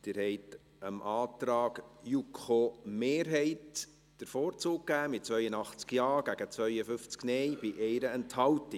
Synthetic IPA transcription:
d̪̥ɪːɾhɛɪt | əmʔɑːtɾɑːɡjukχomeːɾɦɛɪt | d̥əɾfoːɾt͡suːk̚kːæːmɪt̚t͡sʋœʏənɑχt͡skjɑːɡ̥æɡ̥ət͡sʋœʏəfʏft͡sknɛjb̥ɪʔɛɪɾəɛnthɑltɪ

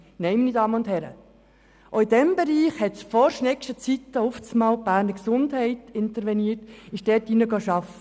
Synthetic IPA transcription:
nɛɪminidɑːməʊnthɛɾə̰ | ʔoɪdɛmbɛɾiːχhɛtsfɔɾʃnɛkʃtət͡sit̪ːəuft͡smɑːlb̥æːɾnəɾksʊndhɛɪtɪnt̪əɾʋɛniːtɪʃdɛːtinəɡɑʃɑfə

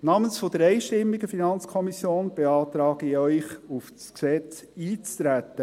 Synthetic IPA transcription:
nɑːmənsfɔd̥̪əɾɛɪʃtɪmːiɡəfinɑnt͡skʰɔmisjoːnb̥eɑːt̪ɾɑːɡ̥iœʏχufsksɛt͡s | iːt͡st̪ɾæt̪ːə

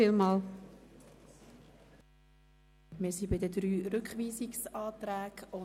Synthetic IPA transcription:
ilmɑːl | mɪːsibɪdədɾyːɾʏkχʋiːziksɑːt̪ɾæːɡʊ

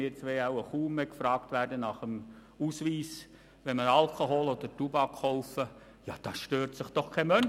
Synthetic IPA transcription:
ɪːt͡sʋeɑwəχuːmɛkfɾɑːktʋæːɾdənɑχəm | usʋiːs | ʋɛnməɾɑlkʰoɦoːlɔd̪əɾtubɑkχoʊfə | jɑd̥̪ɑsʃtøːɾtsɪχd̥ɔχkʰɛmœn

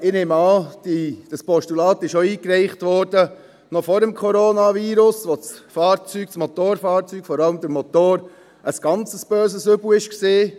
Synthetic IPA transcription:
ɪnemɑːdid̥əspɔʃtulɑːtɪʃoiːkɾɛɪχtʋɔːɾd̥ə | nɔfɔɾɛmkʰɔɾoːnɑviːɾʊsʋot͡sfɑːɾt͡syːɡ̥̚t͡smɔt̪oːɾfɑːɾt͡syːɡ̥fɔɾɑləmd̥̪əɾmot̪oːɾ | ʔəsɡ̥ɑnt͡səsb̥øːs̬əsʏbləɪʃkseː

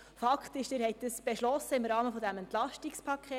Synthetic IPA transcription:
fɑkχtɪʃd̥ɪːɾhɛɪt̚d̥əsb̥ɛʃlɔsəɪmɾɑːməfɔdæmɛnt̪lɑʃtikspʰɑkʰeː

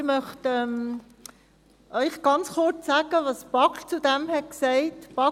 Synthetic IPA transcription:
ɪmœχtɛm | ʔœʏχɡ̥ɑnt͡sχʊɾt͡sːɑːɡ̥əʋɑsb̥ɑkt͡sudɛmhɛtksæɪtb̥ɑ

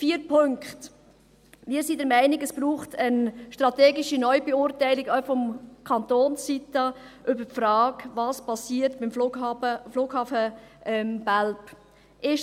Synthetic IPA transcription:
fiːɾpʰøŋkχt | mɪːɾsidɛɾmæɪnɪɡəsb̥ɾuːχtʰənʃtɾɑteːɡɪʃinɔʏbeʊɾtæɪlɪɡœfɔmkʰɑntoːnssitɑ | ʔʏbəpfrɾɑːkvɑːspʰɑsiːəɾtb̥ɪməfluːɡhɑːfəʔɛmbælp | ʔɪʃ

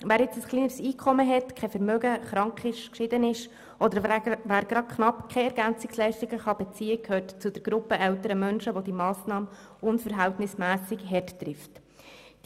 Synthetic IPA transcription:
ʋæːɾjɪt͡səsχliːnəɾsiːkʰɔməɦɛtkʰɛfɛɾmøːɡəχɾɑŋkχɪʃkʃɪd̪ənɪʃ | ʔɔd̪əɾʋæːɾɡ̥ɾɑd̚kχnɑpkʰɛɛɾɡænt͡sɪkslɛɪʃtɪɡəχɑb̥ɛt͡siːəkʰhøːɾtt͡sʊd̥̪əɾɡ̥ɾʊpːəʔɛwtəɾəmœnʃəʋod̪imɑːsnɑːmə | ʊnfəɾɦæwtnɪsmæːsɪɡɦɛttɾɪft

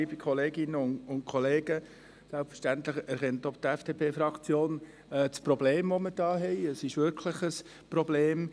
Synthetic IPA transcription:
ibikʰɔleːɡɪnəʊnʊntkʰɔleːɡə | sɛlpfə̥ɾʃtænt̪ləχæɾχɛntɔp̚t̪ɛfd̥epʰeːfɾɑkt͡sjoːn | ɛt͡spɾɔbleːmvoməd̥ɑːɦɛɪəsɪʃʋɪɾkʰləχəs | prɔbleːm

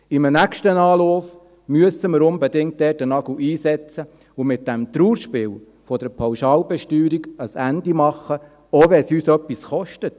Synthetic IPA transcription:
imnækʃtənɑːlɔːf | myəsəməɾʊnbɛd̪ɪŋt̚dɛːtənɑɡ̥uʔiːsɛt͡sə | ʊmɪt̚d̥ɛmt̪ɾuːɾʃpɪːw | fɔd̥əɾpʰɑwʃɑːlbɛʃtyːɾiɡəsændimɑχːə | oːʋɛsyːsœpːisχɔʃtət

